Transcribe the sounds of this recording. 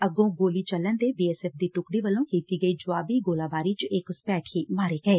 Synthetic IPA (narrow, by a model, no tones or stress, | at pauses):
əɡõːɡoːliːt͡ʃəlːənd̪eːbiːɛːsɛːp̚d̪iːʈʊkɽiːʋəlːõːkiːt̪iːɡəiːd͡ʒʊaːbiːɡoːlaːbaːɾiːt͡ʃɪkspɛːʈʰiːmaːɾeːɡəeː